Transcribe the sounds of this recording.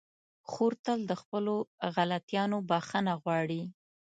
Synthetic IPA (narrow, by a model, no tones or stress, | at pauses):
xoɾt̪əld̪əxpəloɣalat̪jɑnobaxənaɣwɑɽi